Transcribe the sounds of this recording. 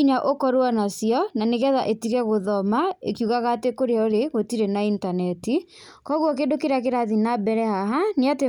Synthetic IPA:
iɲaʔokɔɾoanasiɔnaneɣɛðaʔetiɣɛɣoðɔmaḛkiuɣaɣatekoɾeaoɾeɣotiɾenaintanɛti | kɔɣwɔk̬eːndokeɾak̬eɾaðinabɛɾɛhaɦaneate

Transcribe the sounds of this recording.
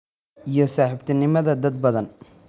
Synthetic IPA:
ʔijɞsaːħɪbt̪ʰɐnɪmɐðɐd̪ɐd̪̚bɐðɐn

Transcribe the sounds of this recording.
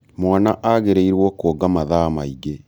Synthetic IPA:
mwanaʔaɣeɾeiɾwɔkoːɡamaðamaiɡe

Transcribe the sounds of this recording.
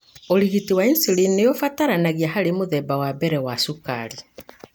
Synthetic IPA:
oɾiɣitiwainsilinːejofataɾanaɣiaɦaɾemoðɛbawabɛɾɛwasuka̰ɾi

